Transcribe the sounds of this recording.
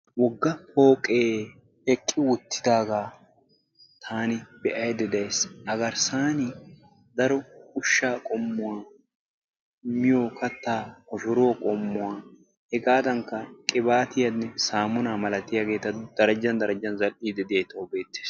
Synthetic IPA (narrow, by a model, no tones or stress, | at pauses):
wɔɡːɐpoːkʼeː | ɛkʼːɪwʊt̪ʰːɪd̪aːɡaː | t̪ʰaːnɪb̥ɛʔɐjd̪ɛd̪ɐjshɐɡɐɾsaːnɪ | d̪ɐɾɔʊʃːaːkʼɔmːʊwaː | mɪjoːkɐt̪ːaːkɔfɪɾwɔkʼɔmːʊwaː | hɛɡaːd̪ɐŋkːɐkʼɪbaːt̪ɪjɐnːɛsaːmʊnaːmɐlɐt̪ɪjaɡe̞ːt̪ɐd̪̥ɐɾɐd͡ʒːɐnd̪ɐɾɐd͡ʒːɐnzɐlʔiːd̪ɛd̪ɪejt̪ɐwbe̞ːt̪ːe̥ːs